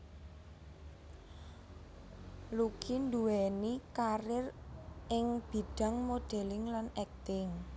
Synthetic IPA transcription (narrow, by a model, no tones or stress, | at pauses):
lukʰind̪uwɛnikaɾɪrɪŋb̥i̤ɖ̥a̤ŋmoɖ̪̥ɛ̤lɪŋlanɛk̚t̪ɪŋ